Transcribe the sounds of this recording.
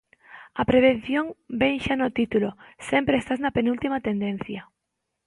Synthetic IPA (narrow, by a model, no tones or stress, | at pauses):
ɐpɾeβ̞en̟θjoŋbeŋʃanot̪it̪ulosempɾeest̪aznɐpenult̪imat̪end̪ẽn̟θjɐ